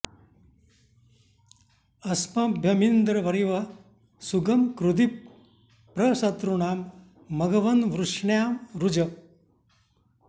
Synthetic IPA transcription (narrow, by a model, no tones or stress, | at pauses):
ɐsmɐbʱjɐmind̪ɾɐʋɐɾiʋɐ | suɡɐmkɾud̪ipː | ɾɐsɐt̪ɾuɳaːmː | ɐɡɐʋɐnʋɾuʂɳjaːmɾud͡ʒɐ